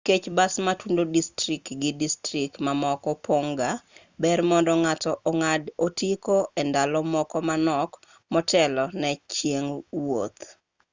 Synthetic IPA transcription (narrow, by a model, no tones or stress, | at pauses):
ket͡ʃbasmatundodistɾikɡɪdistɾikmamɔkɔpoŋɡa | bɛrmɔndɔŋatɔʔoŋadotikoendalɔmɔkɔmanɔk | mɔtʰɛlɔnɛt͡ʃjeŋwot̪